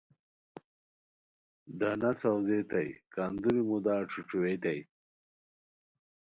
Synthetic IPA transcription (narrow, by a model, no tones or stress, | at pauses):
d̪anɐt͡sawzet̪ɐjkand̪uɾimud̪aːʈ͡ʂʰuʈ͡ʂuwet̪aj